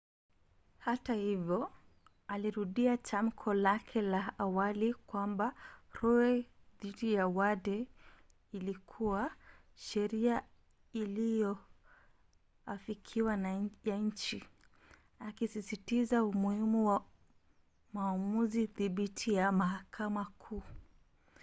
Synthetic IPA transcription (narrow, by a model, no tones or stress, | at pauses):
hatahivjɔ | aliɾuɗiat͡ʃam̩kʰɔlakʰɛlaːwalikwambaɾɔɛðiɗijawaɗɛ | ilikʰuwa | ʃɛɾia | ilijɔ | afikʰiwanajaɲ̩t͡ʃi | akisisitizaumuhimuwa | maːmuziθiɓitʰijamahakʰamakʰuː